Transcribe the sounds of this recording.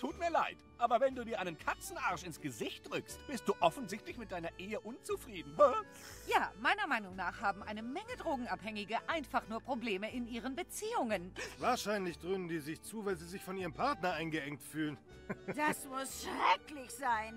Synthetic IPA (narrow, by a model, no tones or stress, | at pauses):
tʰuːtmiːɐlaɪtʔaːbɐvɛnduːdiːɐaɪnənkʰat͡sn̩ʔaɐʃɪnsɡ̥əzɪçt̚d̥ʁʏkstb̥ɪst̚d̥uːʔɔfn̩zɪçtlɪçmɪt̚d̥aɪnɐʔeːəʔʊnt͡sufʁ̥iːdn̩hœ | jaːmaɪnɐmaɪnʊŋnaːχhaːbm̩ʔaɪnəmɛŋədʁoːɡŋ̩ʔaphɛŋɪɡəʔaɪnfaχnuːɐpʁ̥obleːməɪnʔiːʁ̞ənbət͡siːʊŋənvaːɐʃaɪnlɪçd̥ʁøːnəndiːzɪçt͡suːvaɪlziːzɪçfɔnʔiːʁəmpʰaʁtnɐaɪnɡəʔɛŋk̚tfyːlən | d̥aasmʊsʃʁɛklɪçz̥aɪn